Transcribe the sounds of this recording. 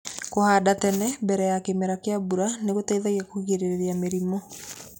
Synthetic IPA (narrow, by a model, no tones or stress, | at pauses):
kohaːdatɛnɛbɛɾɛjakemɛɾakeabuɾaneɣotɛiðajakoɣeɾeɾeɾeameɾimɔ